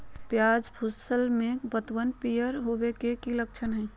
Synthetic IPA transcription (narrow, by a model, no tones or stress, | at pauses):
pjaːd͡ʒbʰʱusəlmẽbət̪ʋənpijəɾɦowekekilək̚t͡ʃʰənɦɛ